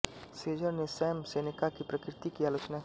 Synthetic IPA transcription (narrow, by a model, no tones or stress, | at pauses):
seːd͡ʒəɾnesɛːmseːnɪkakipɾɐkɾɪt̪ikiaːloːt͡ʃna